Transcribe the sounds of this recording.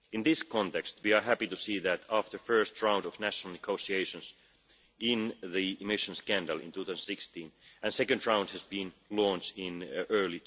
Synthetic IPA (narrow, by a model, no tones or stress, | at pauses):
ɨ̃nðɪskʰɔ̃nt̪ɛkst̪wiəɦæpitusiːðætæftə˞fɜ˞stɹãʊ̃ndɔvnæʃənəl̩ˠnɪɡ̥oʊsieɪʃə̃ns | ɪ̃nðiɪmɪʃə̃nskæ̃ndəl̩ˠɪ̰̃ntʰuːθaʊsə̃n̩sɪkstĩnɨ̃nsɛkɨ̃ndɹãʊ̃nd̚hæzbĩnlɔ̃nt͡ʃɪ̃nɜ˞li